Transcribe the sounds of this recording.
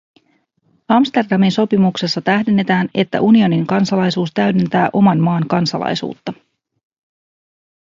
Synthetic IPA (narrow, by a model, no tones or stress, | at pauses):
ɑmst̪e̞rdɑminso̞pimukse̞sːɑt̪æhde̞nːe̞t̪æːne̞t̪ːæ̰ʔunio̞niŋkɑnsɑlɑjsuːst̪æɥdent̪æːʔo̞mɑnmɑːŋkɑnsɑ̰lɑ̰jsṵːt̪ːɑ